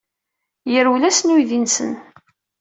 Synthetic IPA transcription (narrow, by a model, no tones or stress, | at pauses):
jəɾulæsnujðinsə̰n